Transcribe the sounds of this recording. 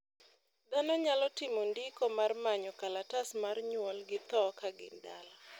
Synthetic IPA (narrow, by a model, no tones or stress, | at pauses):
d̪anɔɲalɔtɪmondikɔmarmaɲɔkalatasmarɲwɔlɡɪt̪ɔkaɡɪ̰nda̰la